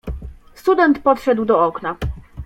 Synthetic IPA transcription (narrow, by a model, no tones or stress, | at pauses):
st̪ud̪ɛnt̪pɔt̪ʂɛd̪wd̪ɔɔkna